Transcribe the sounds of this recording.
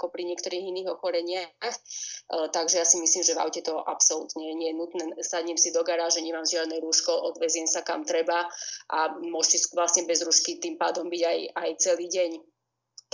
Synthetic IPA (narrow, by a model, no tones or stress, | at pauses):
kɔpɾiɲɪɛkt̪ɔɾiːɣiniːɣɔxɔɾɛɲɪaxt̪aɡʒɛjasimisliːmʒɛva̰ʊcɛt̪ɔʔa̰psɔlṵt̪ɲɛɲɪɛjɛnut̪nɛːsaɟɲɛmsid̪ɔɡaɾaːʒɛɲɛmaːmzɪad̪nɛɾuːʃkɔʔɔd̪ʋɛzɪjɛnsaka̰mt̪ɾɛbaʔamʊɔʃsisʋlasɲɛbɛzɾuːʃkit̪iːmpaːd̪ɔmbiɟajajt͡sɛliːɟɛɲ